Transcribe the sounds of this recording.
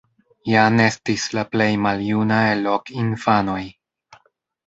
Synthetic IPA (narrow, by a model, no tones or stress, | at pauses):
jane̞stislaple̞jmaljunaelo̞kinfano̞j